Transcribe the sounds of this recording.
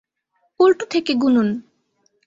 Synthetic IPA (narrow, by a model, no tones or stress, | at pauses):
ulʈut̪ʰekeɡunun